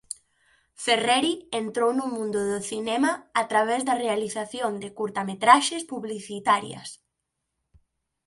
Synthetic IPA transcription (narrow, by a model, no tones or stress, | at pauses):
ferɛɾient̪ɾownʊmũnd̪ʊðʊθinɛmaːt̪ɾaβ̞ɛzðɐrealiθaθjond̪ɪkuɾt̪amet̪ɾaʃespuβliθit̪aɾjɐ̰s